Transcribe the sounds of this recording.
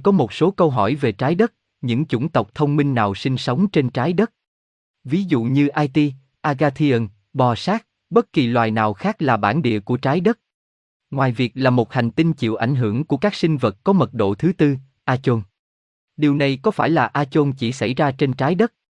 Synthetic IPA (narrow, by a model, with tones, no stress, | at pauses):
kɔ˨˦mo˨˩t̚so˨˦kə˧wɦɔ˧˩jve˨˩t͡ɕaː˨˦jɗə˦˥t̚ | ɲɨ̰˧˥ŋt͡ɕʊ̰˧˩ŋ͡mt̪ə˨˩wk͡p̚t̪ʰə˧wŋ͡mmi˧ŋnaː˨˩wsi˧ŋ̟sə˨˦wŋ͡mt͡ɕe˧nt͡ɕaː˨˦jɗə˦˥t̚ | vi˨˦zṵ˧˨ɲɨ˧ʔaː˧jt̪i˧ | ʔaː˧ɣaː˧t̪ʰi˧ə˧n | ɓɔ˨˩saː˦˥k̚ | ɓə˦˥t̚ki˨˩lwaː˨˩jnaː˨˩wxaː˦˥k̚laː˨˩ɓaː˧˩nɗḭ˧˨əku˧˩ət͡ɕaː˨˦jɗə˦˥t̚ | ŋwaː˨˩jvi˨˩ək̚laː˨˩mo˨˩t̚ha˨˩jŋ̟t̪i˧nt͡ɕḭ˧˨əwʔa˧˩ŋ̟ɦɨ˧˩əŋku˧˩əkaː˦˥k̚si˧ŋ̟və˨˩t̚kɔ˨˦mə˨˩t̚ɗo̰˧˨t̪ʰɨ˨˦t̪ɨ˧ | ʔaː˧t͡ɕo˧n | ɗi˨˩əwna˨˩jkɔ˨˦faː˧˩jlaː˨˩ʔaː˧t͡ɕo˧nt͡ɕi˧˩sa̰˧˩jzaː˧t͡ɕe˧nt͡ɕaː˨˦jɗə˦˥t̚